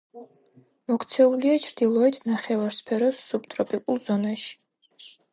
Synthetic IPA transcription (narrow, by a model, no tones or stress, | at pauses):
mɔkʰt̪sʰɛuliat͡ʃʰɾd̪̥ilˠɔɛt̪ʰnaχɛvaɾspʰɛɾɔsːubt̪ʼɾɔpʼikʼulˠzɔnaʃi̥